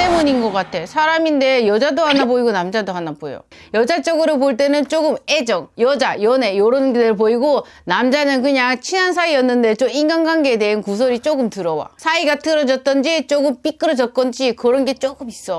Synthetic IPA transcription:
t͈e̞muɲinɡʌk͈atʰe̞sʰaɾaminde̞jʌd͡ʑadoɦanaboiɡonamd͡ʑadoɦanabojo̰ | jʌd͡ʑat͡ɕ͈ʌɡɯɾopoɭt̬͈e̞nɯnt͡ɕ͈oɡɯme̞d͡ʑʌŋjʌd͡ʑajʌne̞joɾonɡedɯɭpoiɡo | namd͡ʑanɯnkɯɲaŋt͡ɕʰinɦans̬ʰaiʌnːɯnde̞t͡ɕ͈ominɡanɡwanɡeːde̞ɦɯnkusʰoɾit͡ɕ͈oɡɯmtɯɾʌwa̰sʰaiɡat͈ɯɾʌd͡ʑʌt̚t͈ʌnd͡ʑit͡ɕ͈oɡɯmp͈ik͈ɯɾʌd͡ʑʌt̚k͈ʌnd͡ʑikɯɾʌnɡe̞t͡ɕ͈oɡɯmis͈ʌ

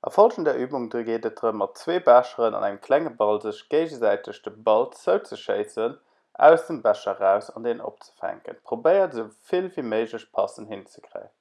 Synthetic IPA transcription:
ʔɑ̰fɑlfɑndɛːɐʔyːbuŋdəɡeːdət̚d̥ʁəmːɑt̚t͡sweːbæʃəʁənɑ̰nʔæŋmkʰlæŋəbɑlzəɕɡ̥eɪʑəzæɪtʰəɕd̥əbɑlt͡səʊt͡səʃəɪt͡sən | ʔæ̰ʊsd̥əmbæʃɐʁæʊsɑndeːnəno̰p̚t͡sə̥fæ̰ŋkə̰npʁobəɪətz̥əʊfilviːməɪʒləɕpʰɑ̰sənhint͡sə̥kʀə̰ɪən

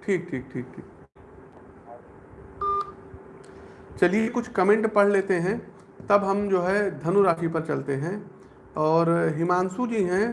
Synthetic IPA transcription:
ʈʰiːk̚ʈʰiːk̚ʈʰiːk̚ʈʰiːk | t͡ʃɐlijekʊt͡ʃʰkɐmẽɳʈpɐɽ̤leːt̪eɦɛ̃ | t̪ɐbɦɐmd͡ʒoːɦɛd̪ʱɐnuɾaːʃipɐɾt͡ʃɐlt̪eɦɛ̃ | ɔːɾɦɪmaːnsud͡ʒiɦɛ̃

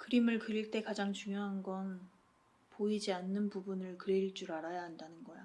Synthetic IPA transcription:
kɯɾimɯɭkɯɾiɭt͈e̞kad͡ʑaŋt͡ɕuŋjoɦanɡʌn | poid͡ʑianːɯnpubunɯɭkɯɾiɭt͡ɕ͈uɾaɾajaɦandanɯnɡʌja

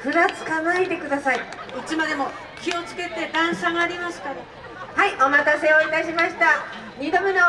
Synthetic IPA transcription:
ɸɯ̟ɾat͡sɨ̥kanaid̪e̞kɯ̟d̪asaiit͡ɕimad̪e̞mo | kʲio̞t͡sɨ̥ke̞t̪e̞d̪ãɰ̃ɕaŋaːɾʲimaɕɨ̥t̪ad̪e | haiʔo̞mat̪ase̞oit̪aɕimaɕi̥t̪a | ɲʲid̪omeno

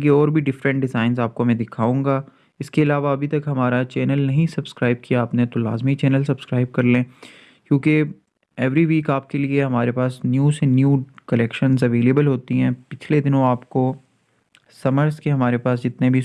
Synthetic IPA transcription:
k̬iɔːɾbʱiɖɪfɾə̃ɳʈ̚ɖɪzaːɪnzaːp̚komɛ̃d̪ɪkʰaːũːŋɡaː | ɪskeɪlaːʋaɐbʱit̪ɐkɦɐmaːɾat͡ʃɛːnəlnɐɦĩsɐbskɾaːɪb̚kijaːpnet̪ola̰ːzmit͡ʃɛːnəlsɐbskɾaːɪb̚kɐɾlẽː | kjũːke | ɛːʋɾiʋiːkaːp̚kelieɦɐmaːɾepaːsnjuːsɛ̃njuːkɐlɛːkʃənzɐʋeːleːbəlɦoːt̪iɦɛ̃ːpɪt͡ʃʰled̪ɪnõaːpko | sɐməɾzkeɦɐmaːɾepaːs̬d͡ʒɪt̪nebʱi

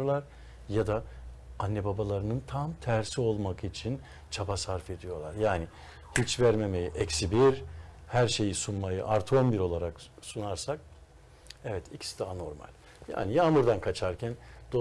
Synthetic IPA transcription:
ɾlˠaɾ | jad̪aanːɛbabalˠaɾɯnɯnt̪ʰamt̪ʰæɾsio̞lˠmakit͡ʃʰin | t͡ʃʰabasaɾfe̞d̪ijo̞ɾlˠaɾjaːni | hit͡ʃvæɾme̞mejiʔɛcsibiɾhæɾʃe̞jisunmajɯʔaɾt̪ʰo̞mbiɾo̞lˠaɾaksunaɾsak̚ | ɛvɛt̪ʰicʰi̥si̥d̪aano̞ɾma̰lʲ | ja̰ːnijaːmuɾd̪ankʰat͡ʃʰaɾcʰænd̪̥o

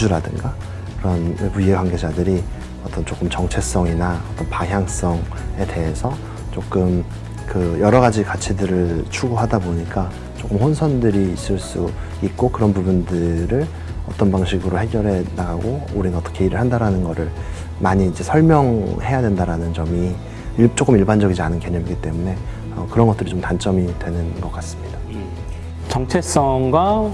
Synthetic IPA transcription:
d͡ʑuɾadɯŋɡa | kɯɾʌnpujeɡwaŋɡe̞d͡ʑadɯɾi | ʌt͈ʌnt͡ɕok͈ɯmt͡ɕʌŋt͡ɕʰe̞s͈ʌŋinaʌt͈ʌnpaŋɦjaŋs͈ʌŋ | e̞te̞ɦe̞sʰʌ | t͡ɕ͈ok͈ɯm | kɯjʌɾʌɡad͡ʑikat͡ɕʰidɯɾɯɭt͡ɕʰuɡoɦadaboɲik͈a | t͡ɕ͈ok͈ɯmɸonsʰʌndɯɾiːs͈ɯɭs͈u | it̚k͈okɯɾʌnpubundɯɾɯɭ | ʌt͈ʌnbaŋɕʰiɡɯɾohe̞ɡjʌɾɦe̞naɡaɡouɾinɯnʌt͈ʌkʰeiɾɯɭhandaɾanɯnɡʌɾɯɭ | maɲiːd͡ʑe̞sʰʌɭmjʌŋhe̞jadendaɾanɯnt͡ɕʌmi | t͡ɕ͈ok͈ɯmiɭband͡ʑʌɡid͡ʑianɯnke̞ɲʌmiɡit͈e̞mune̞ | ʌkɯɾʌnɡʌt͈ɯɾit͡ɕomtant͡ɕ͈ʌmidwe̞nɯnɡʌk͈as͈ɯmɲida | t͡ɕʌŋt͡ɕʰe̞s͈ʌŋɡwa

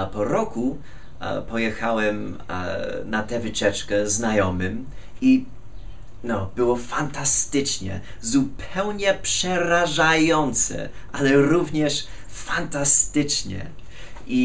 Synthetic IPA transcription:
pɔɾɔku | pɔjɛxawɛm̰ | nat̪ɛvɘt͡ɕɛt͡ʂkɛznajɔmɘm | i | nɔbɘwɔfant̪ast̪ɘt͡ʂɲɛ̰ | zupʰɛwɲɛpʂɛɾaʐajɔnt̪sɛ̰ʔalɛɾuvɲɛʂ | fant̪ast̪ɘt͡ʂɲɛ̰ | ʔi

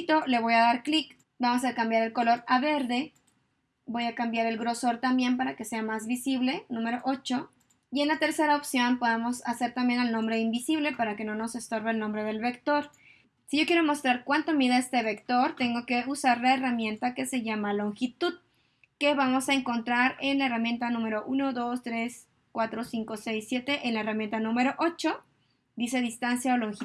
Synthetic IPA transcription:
t̪o̞le̞β̞o̞jaðaɾklik | bamo̞sakambjaɾe̞lko̞lo̞ɾaβe̞ɾðe̞ | bo̞jakambjaɾe̞lɣɾo̞so̞ɾt̪ambje̞mpaɾake̞se̞amazβisiβ̞le̞nũme̞ɾo̞ʔo̞t͡ʃo̞ | ie̞nlat̪e̞ɾse̞ɾaopsjo̞npo̞ðamo̞sase̞ɾt̪ambje̞nalnõmbɾe̞imbisiβle̞paɾake̞no̞no̞se̞st̪o̞ɾβeːlnõ̞mbɾe̞ð̞e̞lβe̞kt̪o̞ɾ | siʝo̞kjeɾomo̞st̪ɾaɾkwant̪omiðaest̪eβekt̪o̞ɾt̪e̞ŋɡo̞ke̞usaɾlaeramjẽ̞nt̪ake̞se̞ʝamalo̞ŋxit̪uð | ke̞βamo̞saeŋko̞nt̪ɾaɾe̞nlaeramje̞nt̪anũme̞ɾo̞ʔuno̞ðo̞st̪ɾe̞s | kwat̪ɾo̞siŋko̞se̞jsːje̞t̪e̞ʔenlaeramje̞nt̪anũme̞ɾo̞ʔot͡ʃo̞ | d̪ise̞ðist̪ansjaoloŋx

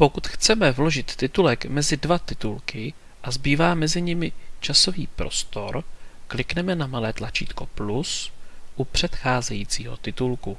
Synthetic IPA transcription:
pokut̪xt͡sɛmɛvloʒɪt̪ːɪt̪ulɛkmɛzɪdvat̪ɪt̪ulkɪ | ʔazbiːvaːmɛzɪɲɪmɪt͡ʃaso̞viːpɾo̞̰st̪o̞ɾklɪknɛmɛnamalɛːt̪lat͡ʃḭːt̪ko̞plusʔupr̝̥ɛt̪xaːzɛjiːt͡siːɦo̞̰t̪ɪt̪ulku

